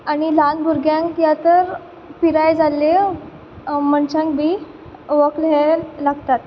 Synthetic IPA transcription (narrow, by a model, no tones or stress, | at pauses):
aɽ̃ilanbʱuɾɡjãŋkjat̪əɾ | piɾajd͡zalːe | məɳt͡ɕãŋkbʱiː | ʋəklɦelaɡt̪at̪